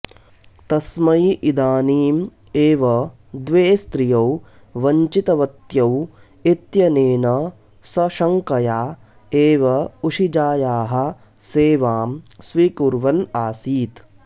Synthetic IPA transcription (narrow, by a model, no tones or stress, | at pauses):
t̪ɐsmɐjʔid̪aːniːm | eːʋɐ | d̪ʋeːst̪ɾijɐw | ʋɐɲt͡ʃit̪ɐʋɐt̪jɐw | it̪jɐneːnɐ | sɐʃɐŋkɐjaː | eːʋɐuʂid͡ʒaːjaːɦɐ̆ | seːʋaːmsʋikuɾʋɐnaːsiːt̪